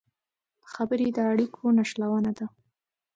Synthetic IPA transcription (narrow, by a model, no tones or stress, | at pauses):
xabəɾed̪əaɽikʰonaʃlawənad̪a